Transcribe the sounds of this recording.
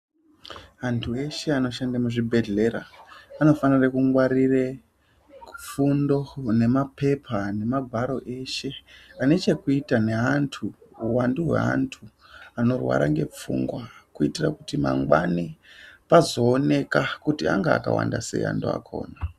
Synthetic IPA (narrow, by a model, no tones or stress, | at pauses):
antʰue̞ʃe̞ano̞ʃandamuʐibʱe̞ɮe̞ɾa̰ano̞fanirakuŋɡwaɾire | p͡fundo̞ne̞mapʰe̞pʰane̞mabʱaɾo̞ʔe̞ʃe̞ane̞t͡ʃe̞kuitane̞antʰuuwanduɦwe̞̰a̰ntʰu | ano̞rwa̰ɾaŋɡe̞̰p͡fṵŋɡwakuitirakutima̰ŋɡwanipazo̞ːne̞kakutia̰ŋɡa̰ːka̰wa̰ndasḛḭa̰ntʰua̰kʰo̞̰ːna